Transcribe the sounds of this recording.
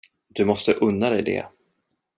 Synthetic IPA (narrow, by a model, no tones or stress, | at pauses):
d̪̥ɵmɔst̪əʔɵnːad̪ɛjd̪ɛ̰